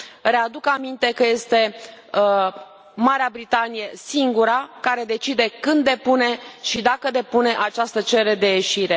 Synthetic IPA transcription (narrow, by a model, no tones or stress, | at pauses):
re̞ad̪ukamint̪e̞kəje̞st̪e̞ | maɾeabɾit̪anije̞siŋɡuɾakaɾe̞d̪e̞t͡ʃid̪e̞kɨnd̪ːe̞pune̞ʃid̪akəd̪e̞pune̞ʔat͡ʃast̪ət͡ʃe̞ɾe̞d̪e̞jeʃiɾe̞